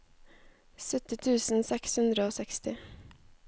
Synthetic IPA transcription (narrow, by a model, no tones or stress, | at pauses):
sœt̪ːɪt̪ʰʉːsnsɛkshʉnd̪ɾəoːsɛkst̪ɪ